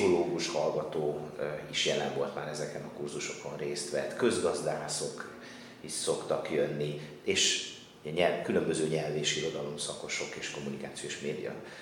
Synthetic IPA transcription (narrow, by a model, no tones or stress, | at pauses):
oloːɡuʃhɒlɡɒt̪oːiʃjɛlɛɱvo̞lt̪maːɾɛzɛkɛnɒkurzuʃo̞ko̞nreːst̪ʋɛt̪kø̞zɡɒzd̪aːso̞k | iʃso̞kt̪ɒkjønːi | eːʃ | ɲɛlkylø̞mbøzøːɲɛlveːʃiɾo̞d̪ɒlo̞msɒko̞ʃo̞keːʃko̞mːunikaːt̪sioeːʃmeːd̪ḭjɒ̰